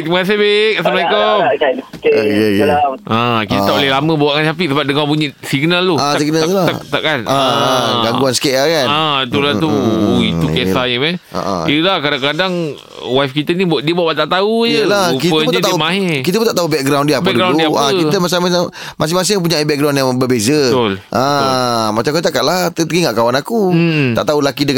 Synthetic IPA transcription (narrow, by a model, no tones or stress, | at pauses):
mas̬ebekasəmaikɔ | kekeãkit̪ət̪aulelamə̃bawaʔŋansap̬isəbap̚dəŋãpuɲəsiɡnalːoasiɡnat̪ulat̪aʔkanaɡaɡuansə̥kaʔlakanat̪ulat̪uit̪ukesaəmaa̰ʔa̰iəlahkadaŋkadaŋ | wafkit̪ənibuaʔdiəbuaʔbaʔt̪aʔt̪aud͡ʒəlakit̪əəpɲt̪aumaɦekit̪əpũnt̪aʔt̪aubɛk̚ɡɾawndiəapɛdɡɾawlnuaakit̪əmas̬amaa | mas̬ɪhmas̬ɪp̬uɲaibɛk̚ɡɾaw̃njaŋbəbezət̪ulʔamat͡ʃamkut̪akaʔlat̪ət̪əɡiŋaʔkawanakut̪a̰ʔt̪aulakidə